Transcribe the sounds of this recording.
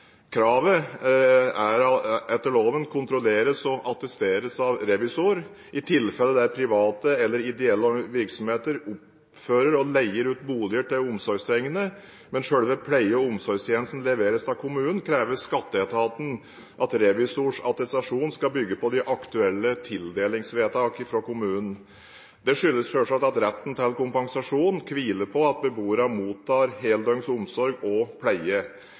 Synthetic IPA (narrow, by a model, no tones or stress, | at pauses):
kʰɾɑːʋə | æɾɛt̪ːəɭoːʋənkʰʊnt̪ɾʊleːɾəsɔʔɑt̪ɛst̪eːɾəsɑʋɾɛʋɪsuɾ | ʔɪt̪ʰɪlfɛlːəd̪æɾpʰɾɪʋɑːt̪əɛlːəɾɪd̪ɛɛlːʋɪɾksɔmheːt̪əɾʊp | føːɾəɾɔlæɪəɾʉːt̪buːlɪəʈ̪ɪlʊmsɔɾɡst̪ʰɾɛŋːənə | mɛnʂøːɽʋɛpʰlæɪəɔʊmsɔɾɡst̪jɛːnəst̪n̩lɛʋeːɾəst̪ɑkʰʊmʉːnənkʰɾeːʋəskɑt̪ːəɛt̪ʰɑːt̪n̩ | ʔɑt̪ɾɛʋɪsuʂɑt̪ɛsɑʂuːnskɑbʏɡːəpɔd̪ɪʔɑkt̪ʉɛlːət̪ʰɪld̪eːlɪŋsʋeːt̪ɑːkɪfɾɔkʊmʉːnn̩ | d̪ɛʂʏlːəsfœʂɑt̪ɑt̪ɾɛt̪ːn̩t̪ʰɛlkʊmpɑŋsɑʂuːnkʰʋiːləpʰɔɑt̪̚bəbuːəɾɑmuːt̪ʰːɑːɾɦeːld̪œŋsʊmsɔɾɡɔpʰlæɪə